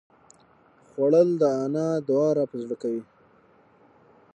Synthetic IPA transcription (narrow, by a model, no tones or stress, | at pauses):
xwaɽəld̪əɑnɑd̪ʊɑɾɑpəzɽəkawi